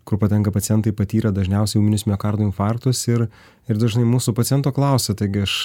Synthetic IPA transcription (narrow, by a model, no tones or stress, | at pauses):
kʊɾpɐt̪ʲɛŋkɐpɐt̪sʲjɛnt̪ɐɪpɐt̪ʲiːɾɐd̪ɐʒʲnʲɛʊsʲɛɪumʲɪnʲʊsʲmʲokɑɾd̪oːɪnfɑɾk̚t̪ʊsɪɾ | ɪɾd̪ɐʒʲnɐɪmuːsʊpɐt̪ʲɪjɛnt̪oːklˠɐˑʊsʲet̪ɐɪɡʲɪɐʃ